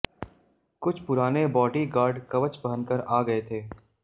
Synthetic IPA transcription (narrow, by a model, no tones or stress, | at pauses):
kʊt͡ʃʰpʊɾaːnebɔːʈiɡaːɾɖkɐʋət͡ʃbɐɦənkəɾaːɡɐet̪ʰeː